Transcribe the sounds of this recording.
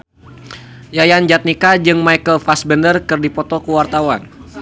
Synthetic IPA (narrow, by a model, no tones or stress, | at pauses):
jajand͡ʒat̪̚nikad͡ʒɨŋmajkəlfasbəndərkɨrdipɔt̪ɔkuwart̪awan